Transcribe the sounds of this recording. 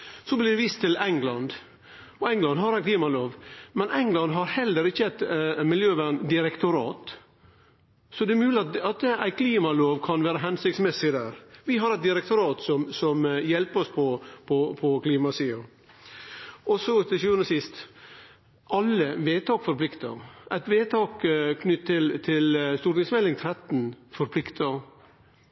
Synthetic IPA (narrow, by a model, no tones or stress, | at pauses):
sɔblɪd̪ɛʋist̪ʰːɪlɛŋlɑnd̪ | ɔɛŋlɑnd̪ɦɑɾæɪkliːmɑloːʋmɛnɛŋlɑnd̪ɦɑɾhɛlːəɾɪçːəæɪt̪mɪljøːʋæɳnd̪ɪɾɛkt̪ʊɾɑːt̪ | sɔd̪ɛɛɾmʉːlɪɑt̪ɑt̪æɪkʰliːmɑloːʋkʰɑnʋæːɾəɦɛnsɪksmɛsɪd̪æːɾʋɪɦɑɾɛɪt̪̚d̪ɪɾɛkt̪ʊɾɑːt̪sɔmsɔmjɛlpəɾɔspʰɔpʰɔpʰɔkliːmɑsiːʊ | ɔsɔt̪ʰɪlsʉːənəsɪst̪ | ʔɑlːəʋeːt̪ʰɑːkfɔɾpʰlɪkt̪ə̰ɾæɪt̪ʋeːt̪ʰɑːkkʰnʏt̪ʰːɪlt̪ʰɪlst̪uːʈnɪŋsmɛlɪŋt̪ʰɾɛt̪n̩fɔɾpʰlɪkt̪ʰəɾ